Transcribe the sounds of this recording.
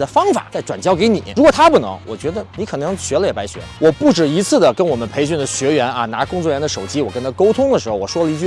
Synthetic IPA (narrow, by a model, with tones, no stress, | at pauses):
d̪ə˨fɑ˥ŋfa̰˨˩˦t͡sa˥˩ɪʈ͡ʂwa˨˩nt͡ɕjɑ˥ʊke˧˥ɪni˨˩˦ɻu˧˥kwɔ˨˩t̪ʰa˥pu˥˩nɤ̰˧˥ŋwɔ˨˩t͡ɕɥɛ˧˥d̪ə˧ni˧˥kʰɤ˨˩nɤ˧˥ŋɕɥɛ˧˥lə˧jɛ˨˩pa˧˥ɪɕɥɛ̰˧˥wɔ˨˩pu˥˩ʈ͡ʂɻ̩˨˩i˧˥t͡sʰɹ̩˥˩d̪ə˩kə˥nwɔ˨˩mə˦npʰe˧˥ɪɕy˥˩nd̪ə˩ɕɥɛ˧˥ɥɛ˧˥na̰˧na˧˥kʊ˥ŋt͡swɔ˥˩ɥɛ˧˥nd̪ə˧ʂo˨˩ʊt͡ɕi˥wɔ˨˩kə˥nt̪ʰa˥ko˥ʊt̪ʰʊ˥ŋd̪ə˨ʂɻ̩˧˥xo˧wɔ˨˩ʂwɔ˥lə˨i˧˥t͡ɕy˥˧